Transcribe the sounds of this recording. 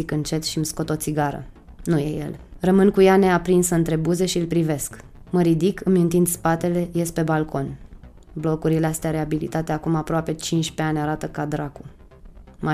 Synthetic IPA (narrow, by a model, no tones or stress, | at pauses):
ikɨnt͡ʃe̞t̪ʃimsko̞t̪o̞t̪siɡaɾə̰nuje̞̰je̞̰lrəmɨnkujane̞apɾinsəɨnt̪ɾe̞buze̞ʃiɨlpɾive̞sk | məɾid̪ikɨmjunt̪ind̪spat̪e̞le̞je̞spe̞balko̞n | blo̞kuɾileast̪eaɾe̞abilḭt̪at̪eakumapɾoape̞t͡ʃint͡ʃʲpe̞anʲaɾat̪əkad̪ɾaku | ma